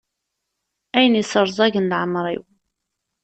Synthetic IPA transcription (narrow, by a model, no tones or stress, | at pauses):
æjənisəɾˤzˤɑʝənlʕmɾˤḭw